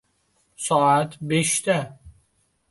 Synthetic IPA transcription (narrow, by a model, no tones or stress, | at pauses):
sɔat̪ʰbeʃt̪æ